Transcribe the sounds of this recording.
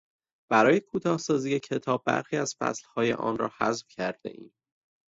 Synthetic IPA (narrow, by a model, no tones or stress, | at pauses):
b̥æɾɒːje̞kʰuːt̪ʰɒːhsɒːziːjecʰe̞t̪ʰɒːb̚ːæ̰ɾxiːæz̥fæ̰slhɒːje̞̰ʔɒ̰ːnɾɒ̰ːhæ̰zfcʰæɾd̪̥ḛʔḭːm